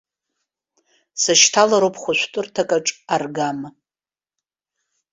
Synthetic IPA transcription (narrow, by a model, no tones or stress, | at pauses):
sɨʃtʰalaɾowpʼʰχʷʊʃʷtʼʊrtʰakʼaʈ͡ʂʼarɡam